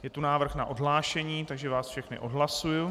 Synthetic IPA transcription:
jɛt̪unaːvr̩xnaʔodɦlaːʃɛɲiːt̪aɡʒɛvaːsfʃɛxnɪ̰ʔo̞dɦlasuju

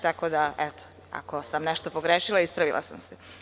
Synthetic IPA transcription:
t̪ako̞ːd̪aʔet̪o̥ | a̰ko̞samneʃt̪o̞poɡɾeʃilˠaispɾaʋilˠa̰sa̰mse

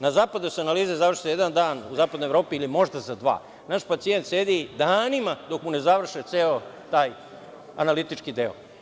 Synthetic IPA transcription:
nazaːpad̪osanaliːzezaʋr̩ʃi̥ejed̪and̪aːnuzaːpad̪noevɾo̞ːpiːlimo̞ʒd̪azad̪ʋa̰ː | naʃpat̪sijent̪seːd̪id̪aːnimad̪o̞kmunezaʋr̩ʃet̪seːot̪aːj | a̰nalit̪it͡ʃkid̪eo̰

